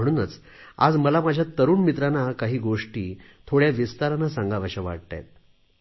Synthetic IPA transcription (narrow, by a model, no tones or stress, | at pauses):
əɽ̃uːnət͡s | a̰d͡zməlamad͡ʑʱjat̪əɾuːnmit̪ɾanakaɦiːɡoʂʈiːt̪ʰoɽjaʋist̪aɾanːasãŋɡaʋəɕəʋa̰ɽt̪a̰jt̪̚